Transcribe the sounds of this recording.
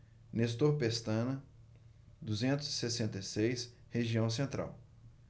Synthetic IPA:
nest̪oɾpest̪ɐ̃nɐ | d̪uzẽnt̪ʊzisesẽnt̪ejsejs | heʒiɐ̃w̃s̬ẽnt̪ɾʔa̰w

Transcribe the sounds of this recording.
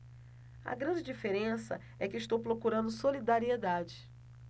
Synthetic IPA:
ɐ̰ɡɾɐ̃nd͡ʒɪd͡ʒifeɾẽsɐ̰ | ɛkɪɪʃt̪owpɾowkuɾɐ̃nd̪ʊsolid̪aɾied̪ad͡ʒɪ

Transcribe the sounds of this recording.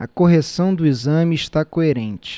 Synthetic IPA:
ɐ̰koɦesɐ̃w̃d̪ʊizɐ̃mɪːʃt̪akoeɾẽnt͡ʃɪ̥

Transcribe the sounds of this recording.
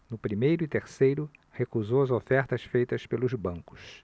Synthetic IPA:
nʊpɾimejɾʊɪt̪eɾsejɾʊhekuzowɐzofɛɾt̪ɐsfejt̪ɐspelʊzbɐ̃ŋkʊ̥s

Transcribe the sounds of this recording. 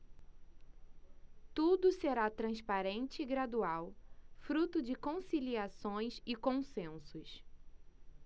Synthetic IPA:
t̪ud̪ʊseɾat̪ɾɐ̃spaɾẽnt͡ʃɪːɡɾad̪uawfɾut̪ʊd͡ʒɪkõsiliasõj̃sɪkõsẽsʊs

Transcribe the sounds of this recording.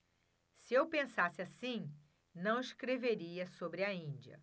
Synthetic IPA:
sɪewpẽsasɪasĩ | nɐ̃w̃iʃkɾeveɾiɐsobɾɪɐĩd͡ʒiɐ̰

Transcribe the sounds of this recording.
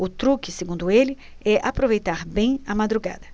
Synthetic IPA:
ʊt̪ɾukɪseɡũnd̪ʊelɪ | ɛʔapɾovejt̪aɾbẽj̃ɐmad̪ɾuɡa̰d̪ɐ

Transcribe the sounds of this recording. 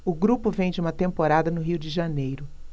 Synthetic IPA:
ʊɡɾupʊvẽj̃d͡ʒɪũmɐt̪ẽmpoɾad̪ɐnʊɦiwd͡ʒɪʒɐnejɾʊ

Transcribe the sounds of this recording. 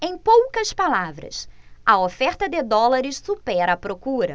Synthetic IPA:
ẽj̃powkɐspalavɾɐ̰s | ɐofɛɾt̪ɐd̪ɪd̪ɔlaɾɪssupɛɾɐpɾokuɾɐ̰

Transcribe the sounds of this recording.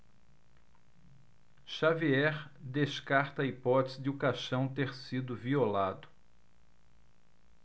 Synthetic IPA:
ʃaviɛɾd̪eʃkaɾt̪ɐːipɔt̪ɪzɪd͡ʒɪukaʃɐ̃w̃t̪eɾsid̪ʊviolad̪ʊ

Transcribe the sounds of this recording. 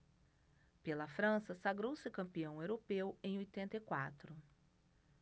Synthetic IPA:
pelɐfɾɐ̃sɐsaɡɾowsɪkɐ̃mpiɐ̃w̃ewɾopewẽj̃ojt̪ẽnt̪ɐjkwa̰t̪ɾʊ

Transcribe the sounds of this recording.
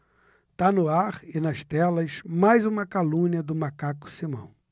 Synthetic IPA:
t̪anʊaɾɪnɐʃt̪ɛlɐzmajzũmɐkalũɲiɐd̪ʊmakakʊ̥simɐ̰̃w̃

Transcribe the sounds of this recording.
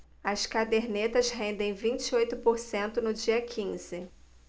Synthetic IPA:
ɐskad̪eɾnet̪ɐzɦẽnd̪ẽj̃vĩt͡ʃɪojt̪ʊpoɾsẽnt̪ʊnʊd͡ʒiɐkʰĩz̥ɪ

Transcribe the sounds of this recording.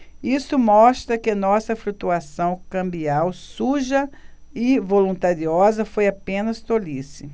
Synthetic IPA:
isʊmɔst̪ɾɐkɪɐnɔsɐflut̪uasɐ̃w̃kɐ̃mbiawsuʒɐɪvolũnt̪aɾiɔzɐfojapẽnɐst̪olisɪ

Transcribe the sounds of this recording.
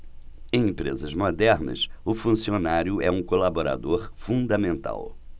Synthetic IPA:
ẽj̃ẽmpɾḛzɐzmod̪ɛɾnɐ̰sʊfũsionaɾjʊɛũkolaboɾa̰d̪oɾfũd̪ɐmẽnt̪a̰w

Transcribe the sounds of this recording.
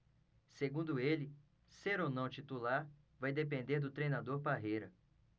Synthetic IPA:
seɡũnd̪ʊelɪ | seɾownɐ̃w̃t͡ʃit̪ulaɾ | vajd̪epẽnd̪eɾd̪ʊt̪ɾejnad̪oɾbaɦejɾɐ

